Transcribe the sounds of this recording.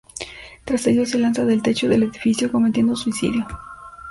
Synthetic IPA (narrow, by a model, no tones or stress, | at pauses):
t̪ɾase̞ʝose̞lansaðe̞lt̪et͡ʃo̞ðe̞le̞ðifisjo̞ko̞met̪je̞nd̪osuisḭðjo̞